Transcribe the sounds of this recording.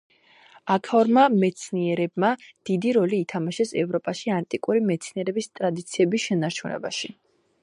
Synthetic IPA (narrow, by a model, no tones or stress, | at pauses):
akʰɔɾmamɛt̪sʰniɛɾɛb̚mad̪̥id̪iɾɔliːt̪ʰamaʃɛsɛvɾɔpʼaʃiant̪ʼikʼuɾimɛt̪sʰniɛɾɛbist̪ʼɾad̪it̪sʰiɛbisʃɛnaɾt͡ʃʰunɛ̰ba̰ʃi